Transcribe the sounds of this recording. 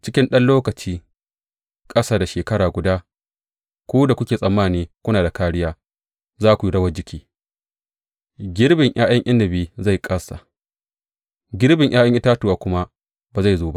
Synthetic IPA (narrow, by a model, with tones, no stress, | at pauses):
t͡ʃɪ˦kʲɪ˦nɗɐ˦nloː˦kɐ˨t͡ʃiː˦ | kʼɐ˦saː˨da˨ʃeː˨kɐ˦ɽaː˨ɡʷʊ˨daː˦ | kʷoː˦da˨kʷʊ˦kʲeː˨sʼɐ˨mːaː˦˨niː˦kʷʊ˦naː˨da˨kaː˦ɽɪ˦jaː˦ | zaː˦kʷu˨i˦ɽɐ˦wɐ˦d͡ʒɪ˦kʲiː˦ | ɡʲɪ˦ɽbɪ˨ŋj̰ʔaː˦j̰ɐ˦ŋʔɪ˦ndɐ˨biː˦za˦˨jkʼɐ˦sa̰˨ | ɡʲɪ˦ɾbɪ˨ɲʔaː˦j̰ɐ˦ŋʔɪ˦taː˦tʊ˨waː˨kʷʊ˦ma˦ | baː˨za˦˨zoː˨ba˦ʔ